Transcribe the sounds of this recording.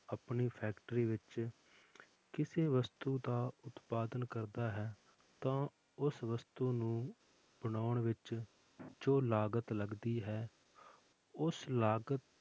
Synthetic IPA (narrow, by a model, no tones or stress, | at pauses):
əpɳiːpʰɛːkʈɾiːʋɪt͡ʃ | kɪseːʋəst̪uːd̪aːʊt̪paːd̪ənkəɾd̪aːɦɛː | t̪ãː | ʊsʋəst̪uːnũː | bənaːʊɳʋɪt͡ʃ | d͡ʒoːlaːɡət̪ləɡd̪iːɦɛː | ʊslaːɡət̪